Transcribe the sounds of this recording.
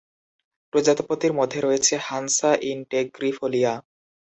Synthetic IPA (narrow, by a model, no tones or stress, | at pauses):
pɾod͡ʑat̪opot̪iɾmod̪ʱːeɾoet͡ɕʰehansaʔiɳʈeɡɾifolia